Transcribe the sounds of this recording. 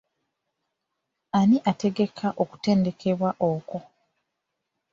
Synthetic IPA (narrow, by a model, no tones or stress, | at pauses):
aniʔate̞ɡe̞kʰaʔo̞ku̥te̞ːnde̞kʰe̞βwaʔoːko̞